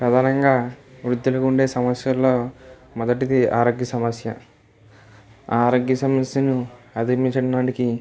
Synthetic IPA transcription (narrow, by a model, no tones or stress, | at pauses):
pɾɐd̪ʱaːnɐŋɡaːʋɾud̪ːulɐkuɳɖe̞ːsɐmɐsjɐlːo̞ː | mɔd̪ɐʈid̪iaːɾoːɡjɐsɐmɐsjɐ | aːɾoːɡjɐsɐmɐsjɐnuɐd̪imit͡ʃɐɽɐnaːʈiki